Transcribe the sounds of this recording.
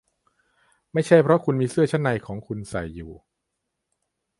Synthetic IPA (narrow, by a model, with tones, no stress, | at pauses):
ma˥˩jt͡ɕʰa˥˩jpʰɾɔ˦˥kʰu˧nmiː˧sɯ˥˩ɐt͡ɕʰa˦˥˩nːa˧jkʰɔː˩˦ŋkʰu˧nsa̰˨˩jːuː˨˩